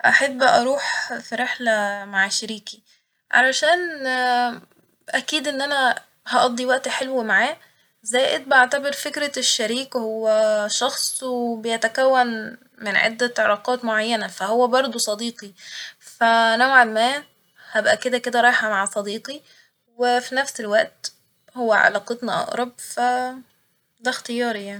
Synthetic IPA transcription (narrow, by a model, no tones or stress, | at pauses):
ʔaħebːʔɑɾˤuːħfiɾeħlæmaʕʃæɾiːki̥ | ʕa̰læʃæːn | ʔækiːd̪ʔenːʔænæ | hɑʔɑd̪ˤːiwæʔt̪ħelwmaʕaː | zæːʔed̪̚bʔaʕt̪æbeɾˤfekɾæʃːæɾiːkwhowːæʃɑxsˤwebejæt̪ækæwːæn | menʕḛd̪ːæʕɑɾɑːqɑːt̪moʕajːænæfæhowːæbɑɾˤd̪ˤusˤɑd̪iːqifænowʕelmæː | hæbʔæked̪æked̪æɾˤɑːjħhæmaʕasˤɑd̪iːqi | wefinæfselwæʔt̪ | howːæʕɑ̰lɑːqet̪nɑʔɑ̰ʔɾˤɑb̚fæ | d̪æxt̪ejɑːɾijaʕni